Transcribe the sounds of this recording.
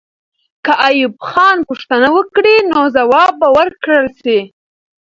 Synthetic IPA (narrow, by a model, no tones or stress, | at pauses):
kaʔajubxɑnpuʂt̪anawəkɽinozawɑbːawəɾkɽəlsi